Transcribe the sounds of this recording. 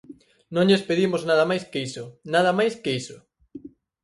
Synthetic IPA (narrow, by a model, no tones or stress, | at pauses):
nõŋʎespeðimoznað̞ɐmajskisonað̞ɐmajskeisʊ